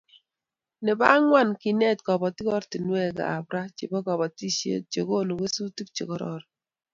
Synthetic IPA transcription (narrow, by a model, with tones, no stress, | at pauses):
ne˨ba̰˦ŋwa˦˨nki˨nɛ˦˨tkɔ˨bɔ˨ti˦kɔ˦ɾti˨nwe˦˨ka̰˨a̰˨bɾa˦t͡ʃḭ˨bɔ˦kɔ˨bɔ˨ti˦ʃḛ˦t͡ʃe˨ko˦˨nu˨ke˦su˦ti˦k̚t͡ʃḛ˨kɔ˦ɾɔ̰˦ɾ